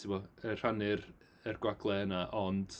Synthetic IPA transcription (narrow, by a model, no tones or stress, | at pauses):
tʰɪmɔər̥anɪr | ərɡwaɡlˠɛənaʔɔnd̥